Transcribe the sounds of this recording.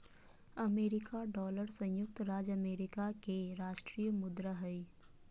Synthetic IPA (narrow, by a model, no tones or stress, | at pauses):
əmeːɾɪkaɖɔːləɾsɐ̃jjʊk̚t̪ɾaːd͡ʒəmeːɾɪkakeɾaːʃʈɾijəmʊd̪ɾəɦəi